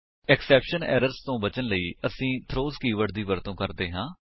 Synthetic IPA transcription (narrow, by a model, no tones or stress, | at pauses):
ɛksɛːpʃənɛ̰ːɾəɾst̪õːbət͡ʃənləiːəsĩːt̪ʰɾoːzkiːʋəʈd̪iːʋəɾt̪õːkəɾd̪eːɦãː